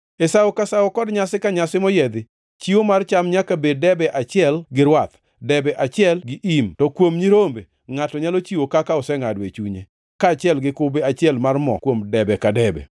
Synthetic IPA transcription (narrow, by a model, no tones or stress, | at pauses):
esawokasawokɔdɲasɪkaɲasɪmɔjɛd̪ɪ | t͡ʃiwomart͡ʃamɲakabeddɛbɛʔat͡ʃɪɛlɡɪɾwat̪ | dɛbɛʔat͡ʃɪɛlɡɪʔimtɔkwomɲiɾombe | ŋatɔɲalot͡ʃiwokakaɔsɛŋadwet͡ʃuɲḛ | kaːt͡ʃɛlɡɪkʊbeat͡ʃɪɛlmarmɔ̰kwomdɛbɛkadɛbɛ̰